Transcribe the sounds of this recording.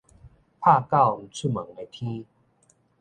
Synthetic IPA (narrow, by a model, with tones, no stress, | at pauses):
pʰa˥˧ka˥˧˨wm̩˨˩t͡sʰu˥˧˩mə˨˦ŋe˧t̪ʰi˦